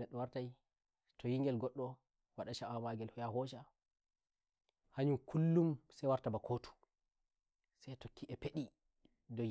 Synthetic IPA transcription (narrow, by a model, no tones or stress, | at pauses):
nɛɗːɔwaɾtaj | tʰɔjiŋɡɛlɡɔɗːɔ | waɗaʃaamaɡɛlhɔjaɦɔʃa | haɲumkʰulːumsɛjwaɾtabakʰotu̥ | sajtokːiʔɛpeɗi | dɔ